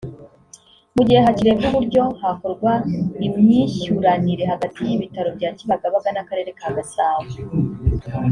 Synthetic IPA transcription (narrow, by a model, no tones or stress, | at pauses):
muɟihe̞ɦaciɾe̞vjuβuɾɟo̞hako̞ɾɡwaimɲiʃuɾaniɾe̞haɡatijiβitaɾo̞bɟaːɲt͡ʃiβaɡaβaɡanakaɾe̞ɾe̞kʰaːɡasaːwe